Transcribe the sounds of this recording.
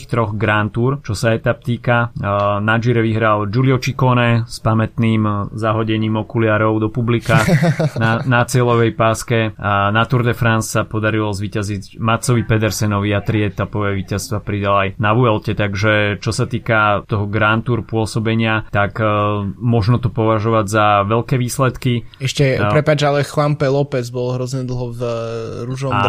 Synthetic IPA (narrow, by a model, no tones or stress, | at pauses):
ixt̪ɾɔɣɡɾant̪uɾt͡ʃɔsaɛt̪ap̚t̪iːkanad͡ʒiɾɛʋiɦɾald͡ʒuliɔt͡ʃikɔnɛspamɛt̪niːmzaɦɔɟɛɲiːmɔkulɪaɾɔʊd̪ɔpublikaːxnanat͡sɪɛlɔʋɛjpaːskɛanat̪uɾd̪ɛfɾanssapɔd̪aɾilɔzʋiːcazicmat̪sɔʋipɛd̪ɛɾsɛnɔʋiat̪ɾiɛt̪apɔʋɛʋiːcast̪ʋapɾid̪alajnaʋuɛlcɛt̪aɡʒɛt͡ʃɔsat̪iːkat̪ɔɦɔɡɾant̪uɾpʊɔsɔbɛɲɪat̪ak | mɔʒnɔt̪ɔpɔʋaʒɔʋaɟzaʋɛʎkɛːʋiːslɛt̪kiɛʃcɛpɾɛpad͡ʒalɛxlampɛlɔpɛd͡zbɔlɦɾɔzɲɛd̪l̩ˠɦɔvɾuʒɔa